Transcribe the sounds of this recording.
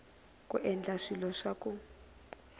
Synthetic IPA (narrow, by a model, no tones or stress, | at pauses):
kʼṵʔɛnd͡ɮaʂilɔʂaku